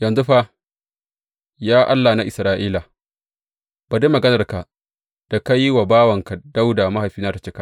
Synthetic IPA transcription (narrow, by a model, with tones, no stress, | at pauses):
jɐ˨nzu˦ɸa˦ | jaː˦ʔa˦lːa˨na˦ʔɪ˨sɾaː˨ʔiː˦la˨ | b̥a˨de˦mɐ˨ɡɐ˦nɐ˨rka˨ʔ | d̥a˨ka˦ji˦wa˨baː˦wɐ˨ŋka˨d̥a˦wda˨ma˦ɦa˨jɸiː˦naː˦ta˨t͡ʃe˦ka˦